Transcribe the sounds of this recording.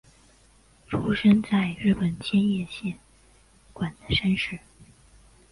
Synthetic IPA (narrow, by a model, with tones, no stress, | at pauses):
ʈ͡ʂʰu˥ʂə˥nt͡sa˥˧ɪɻɻ̩˥˩pə˨˩nt͡ɕʰjɛ˥njɛ˥˧ɕjɛ˥˩n | kwa˨˩nd̪ə˦ʂa˥nʂɻ̩˥˩